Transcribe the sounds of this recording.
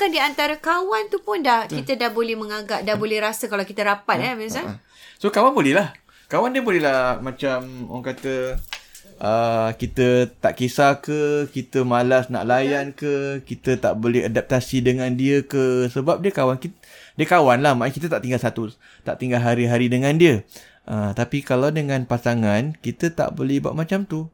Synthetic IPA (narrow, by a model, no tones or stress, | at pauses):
kandiant̪aɾakawant̪upʊndahkit̪ədahbolɛhmə̃ŋaŋɡap̚dahbolɛhɾasəkalawkit̪əɾapat̪̚ɛbisa | sokawanbolɛɦlah | kawandiəbolɛlahmãt͡ʃamaŋkat̪ə | ʔəkit̪ət̪aʔkisakəkit̪əmalasna̰ʔlajankəkit̪ət̪a̰ʔbolɛɦadap̚t̪asidəŋãndiəkəsəbap̚diəkawanki | diəkawanlahmãʔŋkit̪̬ət̪aʔt̪iŋɡalsat̪u | t̪a̰ʔt̪iŋɡalɦaɾiɦaɾidəŋãndiə | ʔət̪apikalawdəŋãnpasaŋankit̪ət̪a̰ʔbolɛhbua̰ʔmat͡ʃamt̪u